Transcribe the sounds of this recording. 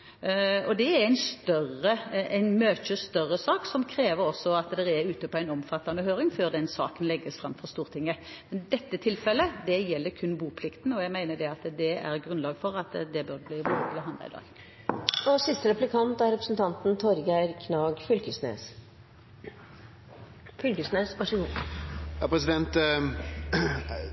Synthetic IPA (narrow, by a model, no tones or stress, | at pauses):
ɔd̪ɛæɾæɪnst̪œʁəʔæɪnmøːçəst̪œʁːəsɑːksɔmkʰɾeːʋəɾɔsːɔɑt̪d̪ɛɛʉːt̪əpɔæɪnɔmfɑt̪ːɑnəhøːɾɪŋføːʁd̪ɛnsɑ̰ːkənlɛɡːəsfɾɑmːfɔʁst̪uːʁt̪ʰɪŋːə | mɛnd̪ɛt̪ːət̪ʰɪlfɛlːəd̪ɛjɛlːəɾkʰʉnbuːpʰlɪkt̪n̩ɔjæɡmæɪnəd̪ɛɑt̪d̪ɛæ̰ʁɡɾʉnlɑːɡfɔɾɑt̪d̪ɛbøʁd̪ɛbliːbuːt̪ləɦɑnd̪ɑ̰ɪd̪ɑ̰ːɡ | ɔsɪst̪əɾɛplɪkʰɑnt̪æɾɛpɾəsn̩t̪ʰɑnt̪n̩t̪ʰɔɾɡæɪɾkʰnɑːɡfʏlkəsnḛːs | fʏlkəsneːsʋɑʂəɡuːjɑpɾɛs̬ɪd̪ɛnt̪